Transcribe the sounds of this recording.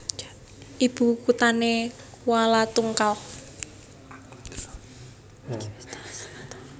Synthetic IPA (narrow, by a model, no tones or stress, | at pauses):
ʔib̥ṳkut̪ane | kualat̪uŋkal